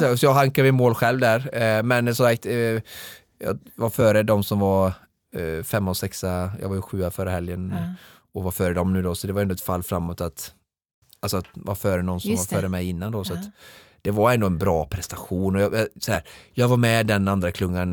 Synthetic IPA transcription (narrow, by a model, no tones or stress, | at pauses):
sɔjɑːɡɦaŋkaɾmɪmoːlɧɛlvd̪æɾmɛnsɔmsak̚t̪ | jɑ̰ːvaɾfœːɾəd̪ɔmsɔmvaɾ | fɛmːɔsɛksajɑ̰ːɡvaɾjəɧʉ̟ːafœːɾəhɛljən | ɔvaɾfœːɾəd̪ɔmnʉ̟ːd̪ɔsɔd̪ɛvaɾɛnd̪ʊɛt̪falːfɾamːot̪at̪ | alsɔat̪vafœːɾənɔnsɔmmvaɾfœːɾəmɛjɪnːand̪ɔsɔat̪ | d̪̥ɛvaɾɛnd̪oɛnbɾɑːpʰɾɛst̪aɧuːnɔjɑjɑsɔhæːɾjɑːɡvaɾmɛd̪ɛnand̪ɾakʰlɵŋːan